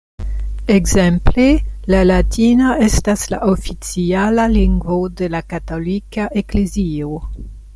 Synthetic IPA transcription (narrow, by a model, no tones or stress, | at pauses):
eɡzemplelalatinaestasla̰ʔofit͡sialaliŋɡvodelakatolikaʔeklezio